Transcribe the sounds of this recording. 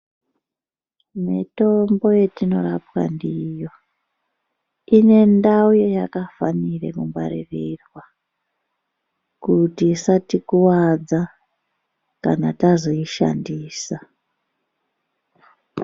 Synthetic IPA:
mito̞mbo̞je̞tino̞rapwa̰ndijo̞ | ine̞ndaujojakafanirḛkumba̰ɾirirwa | kutisatikuwad͡za | kanatazoiʃa̰ndiːsa

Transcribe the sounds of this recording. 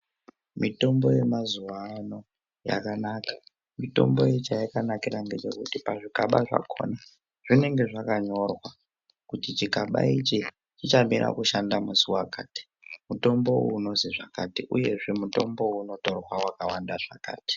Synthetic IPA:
mito̞mboje̞mazuwano̞ | ja̰kanakḁ | mito̞̰mbojet͡ʃajikanakiɾaŋɡe̞t͡ʃe̞kutipaʐikaɓaʐa̰kʰo̞̰na | ʐ̥ine̞ŋɡe̞ʐakaɲo̞rwa | kutit͡ʃikaɓa̰it͡ʃi | t͡ʃit͡ʃamirʔa̰kuʃandamusuwakaːti̥ | muto̞mbo̞uno̞ziʐakatiʔuje̞ʐe̞muto̞mbo̞uno̞to̞rwawakawandaʐaka̰ːti̥

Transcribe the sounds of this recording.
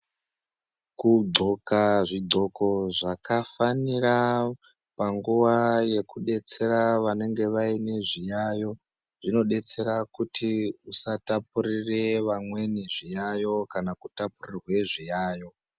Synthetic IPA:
kud͡zʱo̞kaʐid͡zʱo̞ko̞ʐakafanira | paŋɡuʋaje̞kuɗe̞t͡se̞ɾaʋane̞ŋɡe̞ʋaine̞ʐijajo̞ | ʐ̥ino̞ɗe̞t͡se̞ɾakutʰiusatapuɾireʋamwe̞niʐijajo̞kanakutapurirwe̞ʐijaːjo̞

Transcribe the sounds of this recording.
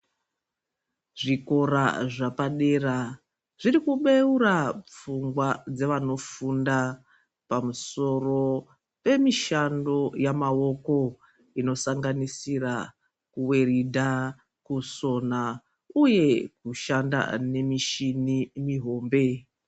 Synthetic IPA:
ʐiko̞ɾa̰ʐapaɗe̞ra | ʐiɾikuɓe̞uɾap͡fuŋɡwad͡zeʋano̞funda | pamuso̞ro̞ | pe̞miʃando̞jamao̞ko̞ | ino̞saŋɡanisira | kuwe̞ridʱa | kuso̞na | uje̞kuʃanda̰ne̞miʃinimiɦo̞ːmbe̞

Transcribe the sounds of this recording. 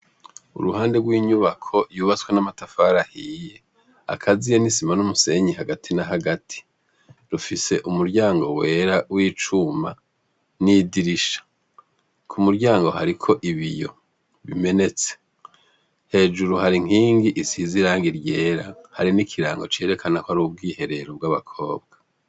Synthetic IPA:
ṵɾuɦaːnde̞ɡwiːɲuβakʰo̞juːβat͡swenamatafaːɾahiːje̞ | a̰kʰazijenisimanumuse̞ɲihaɡatʰinaɦaɡatʰi̥ | ɾufise̞ʔumuɾɟaːŋɡo̞̰we̞ɾawiːt͡ʃuma̰ | nidiɾiʃḁ | kʰumuɾɟaːŋɡo̞ɦaɾikʰo̞ʔiβijo̞ | βime̞ne̞t͡se̥ | he̞ːd͡ʒuɾuhaɾiŋ̥iːŋɡiʔisiziɾaːŋɡiɾɟe̞ːɾahaɾinikʰiɾaːŋɡo̞t͡ʃe̞ːɾe̞kʰanakoaɾuːb̚ɡiːhe̞ɾe̞ɾobɡaβakʰo̞ːbɡḁ

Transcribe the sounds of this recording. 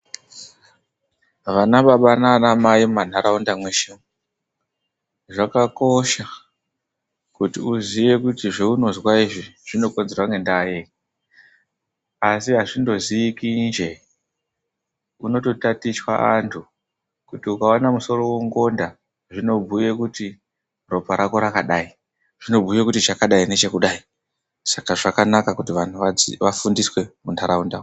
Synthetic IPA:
ʋanaɓaɓananamaimman̤aɾaundamwe̞ʃimu | ʐakako̞ʃa | kutiuziʋe̞kutiʐeuno̞zwaiʐiʐ̥ino̞ko̞nzerwaŋɡe̞ndaːje | asiɦaʐindo̞ziːkind͡ʒe̞ | uno̞to̞tatiswa̰antʰu | kutiukawanamuso̞ro̞weŋɡo̞nda | ʐino̞bʱujekuti | ro̞paɾako̞ɾakaɗaːi | ʐ̥ino̞bʱujekutit͡ʃakaɗaine̞t͡ʃe̞kuɗai | sakaʐakanakakutiʋan̤uʋaiʋafundiswe̞muntʰaɾaundao

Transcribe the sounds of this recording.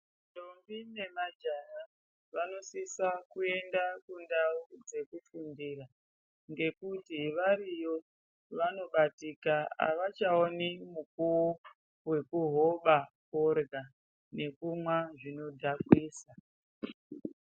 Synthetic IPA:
dombine̞mad͡ʒana | ʋano̞sisakue̞ndakundaud͡ze̞kufundiːra | ŋɡe̞kutiʋaɾijo̞ | ʋano̞ɓatikaa̰ʋat͡ʃaonimukuo | we̞kuɦo̞ɓakorɡa | ne̞kumwaʐino̞dʱakwiːsa

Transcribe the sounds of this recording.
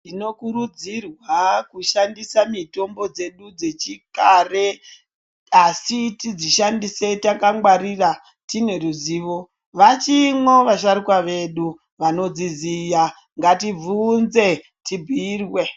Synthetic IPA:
nino̞kuɾud͡zirwakuʃandisamito̞mbo̞d͡ze̞ɗud͡ze̞t͡ʃikare̞ | asitid͡ziʃandise̞takaŋwaɾira | tine̞ruziːʋo̞ | ʋat͡ʃimwo̞ʋaʃaɾikwaʋe̞ɗu | ʋano̞d͡zizija | ŋɡativunze̞ | tibʱiːrwe̞

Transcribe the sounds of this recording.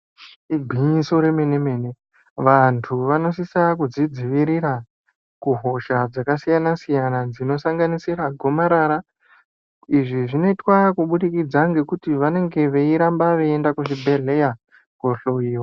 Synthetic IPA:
iɡʱiso̞ɾe̞me̞ne̞me̞ːne̞ | ʋantʰuʋano̞sisakud͡zid͡ziʋiɾiɾa | kuɦo̞ʃad͡zakasijanasijanad͡zino̞saŋɡanisiɾaɡʱo̞maɾaɾa | iʐiʐino̞itwakuɓuɾikid͡zaŋɡe̞kutiʋane̞ŋɡe̞ʋe̞iɾambaʋeendakuʃibʱe̞ɮe̞ja | koɬoiːwo

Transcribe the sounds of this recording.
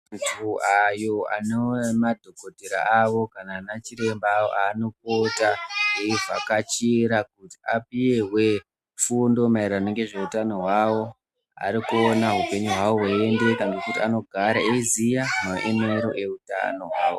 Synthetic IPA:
tʰuajo̞a̰newmadʱo̞ko̞dʱeɾa̰aʋo̞kanaːnat͡ʃiɾe̞mbaːwo̰ʔaːno̞kotaeiʐa̰kat͡ʃiɾakuti̥apije̞ɦwe | fundo̞mairanoŋɡe̞ʐe̞utano̞ɦwawo̞ | a̰ɾikuonaɦupe̞ɲuɦwawoɦwaende̞kaŋɡe̞kutiano̞ɡʱaɾaeizijamoʔemeɾo̞̰ʔe̞uta̰no̞ɦwa̰ːwo̰

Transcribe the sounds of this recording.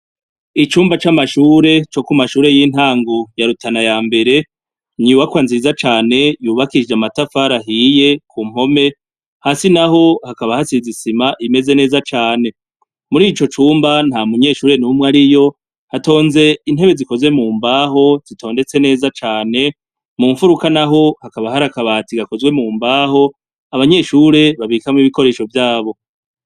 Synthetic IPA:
it͡ʃuːmbat͡ʃamaʃuːɾe̞t͡ʃo̞kumaʃuːɾe̞jiːn̥haːŋɡojaɾutʰanajaːmbe̞ɾe̞ | ɲiuwakwanziːzat͡ʃaːne̞juːβakid͡ʒamatafaɾaɦije̞kʰum̥ho̞me̞ | haːsinaɦo̞hakaβahasizisimaʔime̞ze̞ne̞ːzat͡ʃaːne̞ | muɾiːt͡ʃo̞t͡ʃuːmban̥hamuɲe̞ʃuːɾe̞numŋaɾijo̞ | hato̞ːnze̞in̥he̞βe̞ziko̞zwe̞muːmbaːɦo̞z̥itʰo̞ːnde̞t͡se̞ne̞ːzat͡ʃaːne̞ | muːɱfuɾukanaɦo̞hakaβahaɾakaβaːtiɡako̞zɡwe̞muːmbaːɦo̞ | aβaɲe̞ʃuɾe̞βaβikamŋiβiko̞ɾe̞ːʃo̞vjaːβo̞

